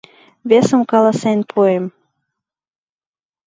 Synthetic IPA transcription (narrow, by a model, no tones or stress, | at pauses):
βesə̆mkɑlɑsenpʰuem